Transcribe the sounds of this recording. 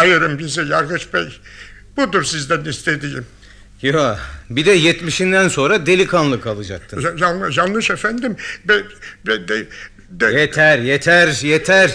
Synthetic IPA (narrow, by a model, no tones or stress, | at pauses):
ajɯɾɯmbizɛjaɾɡɯʃbɛj | b̥ud̪uɾsizd̪ænist̪ʰed̪ijim | jobid̪ɛjɛt̪miʃind̪ænso̞nɾad̪elʲikʰanlˠɯkalˠɯd͡ʒa̰k̚t̪ʰɯand͡ʒanːˠɯʃefænd̪imbɛbɛd̪ɛ | d̪jet̪ʰæɾjet̪ʰæɾjet̪ʰæɾ